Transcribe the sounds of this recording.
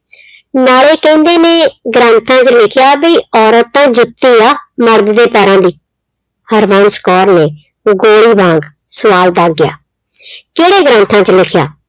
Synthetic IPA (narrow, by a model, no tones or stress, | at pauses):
naːɭeːkɛ̃ːnd̪eːneːɡɾãːnt̪ʰãːt͡ʃlɪkʰjaːbiːɔːɾət̪ːãːd͡ʒʊt̪ːiːaːməɾd̪d̪eːpɛːɾãːd̪iː | həɾʋãːnskɔːɾneː | ɡoːɽiːbʱãːŋɡ | səʋaːld̪aːɡɪja̰ː | keːɽeːɡɾãːnt̪ʰãːt͡ʃlɪkʰja̰ː